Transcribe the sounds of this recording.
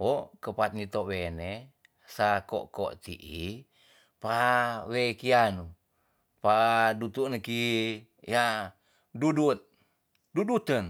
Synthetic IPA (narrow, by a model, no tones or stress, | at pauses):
okəpat̪̚nit̪owene | sako̰ʔko̰ʔt̪ḭʔi | pawekianu | padut̪uʔnəki | ja | dudut̪̚ | dudut̪ən